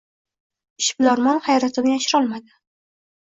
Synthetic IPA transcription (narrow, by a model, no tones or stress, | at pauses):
ɪʃblɒɾmɒnhajɾat̪ʰɪbajaʃɪɾɒlˠmad̪ɪ